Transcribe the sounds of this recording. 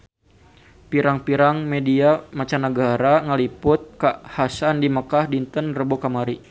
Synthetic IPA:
piɾaŋpiɾaŋmediamat͡ʃanəɡaɾaŋəlipʊt̪̚kahasandiməkahdint̪ənrəbokamaɾi

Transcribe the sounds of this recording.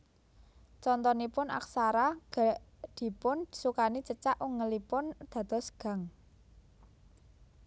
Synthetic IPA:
t͡ʃɔnt̪ɔnipʊna̰ksaɾaɡ̥ad̪̥i̤pʊnsukanit͡ʃət͡ʃaʔuŋəlipʊnd̪̥ä̤d̪̥ɔ̤sɡ̥ä̤ŋ

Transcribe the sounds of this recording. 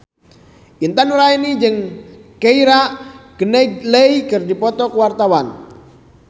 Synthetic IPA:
ʔint̪anuɾainid͡ʒɨŋkeiɾaʔɡ̥ənɛɡleikɨrdipɔt̪ɔkəwart̪awan

